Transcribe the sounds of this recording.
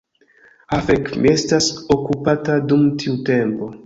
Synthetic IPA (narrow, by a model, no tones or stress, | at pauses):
afekmḭe̞stasokupatadumtʰiute̞mpo̞